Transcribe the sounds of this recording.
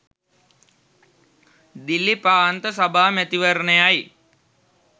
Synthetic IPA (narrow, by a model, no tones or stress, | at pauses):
d̪ilːipaːant̪əsabʱaːmæt̪iʋəɾnəjaj